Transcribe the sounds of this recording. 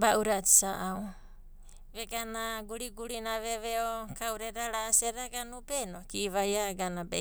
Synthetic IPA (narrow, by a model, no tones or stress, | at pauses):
bauɾati̥saʔaw | βeɡanaɡuɾiɡuɾinaβeβeokawɾeɾaɾaːseɾaɡanubenokiβajaɡanabḛ